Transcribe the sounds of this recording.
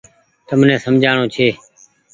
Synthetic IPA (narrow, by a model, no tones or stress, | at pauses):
t̪əmnẽːsəmd͡ʒʱaːɳ̃õːt͡ʃʰeː